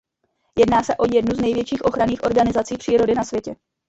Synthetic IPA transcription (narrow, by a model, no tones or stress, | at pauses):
jɛdnaːsɛʔo̞jɛdnuznɛjvjɛt͡ʃiːxʔo̞xɾaniːxʔo̞ɾɡanɪzat͡siːpr̥iːɾo̞dɪnasvʲjɛcɛ